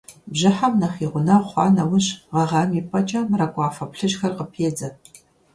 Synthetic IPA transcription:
bʒɨħamnɐχiːʁʷʊnɐχʷɑ̰ːnɐwʊɕʁɐʁɐmiːpʼɐt͡ʃʼɐmrɐkʷʼɑːfɐpɬɨʒxɐrqəpʰeːd͡zɐ

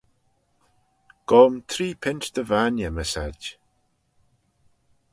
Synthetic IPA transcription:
ɡ̥ɔːmt̪ʰɾiːpʰɪnt͡ʃd̪əvanjəməsad

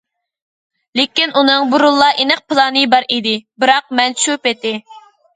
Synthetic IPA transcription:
lɪkʲinunɨŋbuɾulˠːɑʔenɨq̚pʰɨlˠɑnɨbɑɾid̪ɪbɨɾɑq̚mɛnʃupet̪ɪ

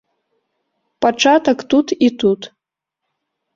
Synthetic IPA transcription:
pʼaʈ͡ʂʰatɐktutʰitʰutʰ

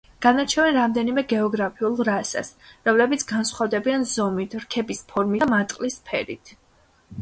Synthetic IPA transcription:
ɡ̥anaɾt͡ʃʰɛvɛnɾamd̪ɛnimɛɡɛɔɡɾapʰiulˠɾasa̰sɾɔmlɛbit̪sʰɡansχwavd̪ɛbianzɔmit̪ʰɾkʰɛbispʰɔɾmimat̪ʼqʼlispʰɛ̰ɾḭt̪ʰ

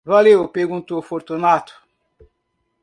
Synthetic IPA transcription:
valeʊpeɾɡũnt̪uofoɾt̪unat̪ʊ̥

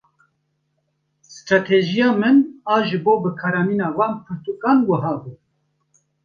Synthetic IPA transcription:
st̪ɾɑːt̪ʰeʒijɑːmɨnɑːʒɨboːbɨkʰɑːɾɑːmiːnɑːvɑːnpʰɨɾt̪uːkɑːnwɐɦɑːbuː

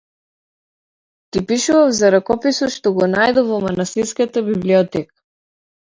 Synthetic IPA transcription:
t̪ipiʃuvavzaɾakɔpisɔt̪ʃt̪ɔɡɔnajd̪ɔvɔmanast̪iɾskat̪abibliɔt̪ɛkḁ

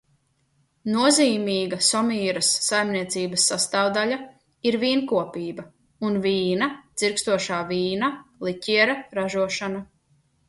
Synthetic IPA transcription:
nuɔziːmiːɡasɔmiːɾasːajmniɛt̪siːbɐsːast̪aːwd̪aʎa | iɾviːnkuɔpiːbɐ | unviːnad̪z̥iɾkst̪uɔʃaːviːnalˠiciɛɾaɾaʒuɔʃana

